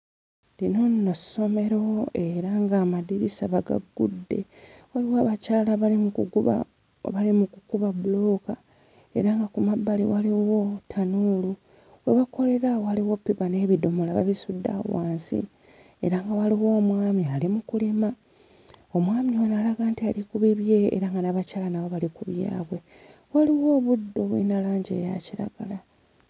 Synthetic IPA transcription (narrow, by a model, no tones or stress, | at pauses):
lino̞nːoso̞me̞ɾo̞e̞ɾaŋɡaːmadiɾisaβaɡa̰ɡːṵdːe̞̰waliwoːβacaːlaβaimuβa̰ | βalimukukuβaβulo̞ːka | e̞̰ɾaŋɡakumabːaliwaliwo̞tʰanulu | weβako̞le̞ɾaoaliwo̞pːiβane̞ːβido̞molaβa̰βisudːa̰waːnsḭ | e̞ɾaŋɡawaliwo̞ːmwaːmialimukulima | o̞mwaːmionalaɡaːntialikuβiβje̞ḛɾaŋɡanaβacaːlanaβoβalikuβja̰ːβwe̞ | waliwo̞ːβudːo̞βwḭnalaːɲɟe̞̰ːja̰ciɾa̰ɡ̥ala